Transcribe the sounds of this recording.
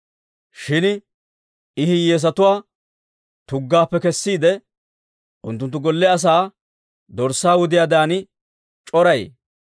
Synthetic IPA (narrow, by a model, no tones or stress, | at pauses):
ʃɪn | ɪhɪjeːs̬ɐt̪ʊwaː | t̪ʊɡːaːpːɛkɛsːiːd̪ɛ | ʔʊ̰nt̪ːʊnt̪ːʊɡɔlːɛɐs̬aː | d̪ɔɾsːaːwʊd̪ɪjaːd̪aːnɪ | t͡ʃʼɔɾɐj